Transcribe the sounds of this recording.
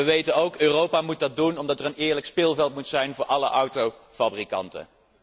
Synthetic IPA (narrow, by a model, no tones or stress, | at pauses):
əʋejtənowkøːrowpaːmut̚dɑd̚dunɔmdɑtərənɪːɹləkspɪlˠvɛlˠt̚mutsɛjnvʊːɹʔɑləʔʌwtowfabrikɑ̰ntə̰n